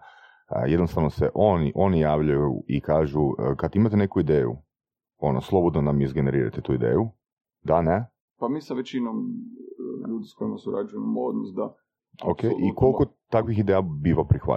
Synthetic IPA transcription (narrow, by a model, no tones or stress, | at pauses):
jed̪nost̪aʋno̞seʔo̞nḭʔo̞nijaːʋʎajṵikaːʒukad̪imat̪ene̞kuid̪eːjṵ | o̞noslˠo̞bod̪nonamizɡe̞ne̞ɾiːɾa̰t̪et̪uid̪ḛːju | d̪ane | pamiːsaʋet͡ʃinom | ʎuːd̪iskoimasuɾa̰d͡ʒujemod̪nosd̪a | okejʔiko̞lˠkot̪akʋixid̪eːjabiːʋapɾixʋa̰